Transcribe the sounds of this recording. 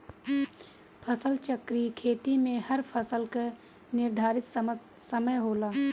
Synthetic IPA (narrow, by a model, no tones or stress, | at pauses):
pʰəsəlt͡ʃəkɾikʰeːt̪imẽhɐɾpʰəsəlka | nɪɾd̪ʱaːɾɪt̪ | səməjɦoːlaː